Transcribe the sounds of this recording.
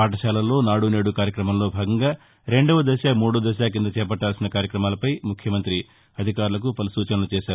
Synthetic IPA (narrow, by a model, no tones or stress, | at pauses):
aːʈɐʃaːlɐlːo̞ːnaːɽune̞ːɽukaːɾjɐkɾɐmɐmlo̞ːbʱaːɡɐŋɡaː | ɾe̞ɳɖɐʋɐd̪ɐʃaːmuːɽud̪ɐʃ̬aːk̬ind̪ɐt͡ʃɛːpɐʈːaːlsinɐkaːɾjɐkɾɐmaːlɐpɐjmukʰjɐmɐnt̪ɾi | ɐd̪ʱikaːɾulɐk̬upɐlusuːt͡ʃɐnɐlut͡ʃɛːʃaːɾuu